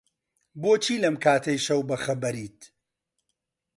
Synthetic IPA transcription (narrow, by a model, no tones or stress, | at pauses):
boːt͡ʃʰiːlɐmkʰaːt̪ʰɐjʃɐwbɐxɐbɐɾiːt̪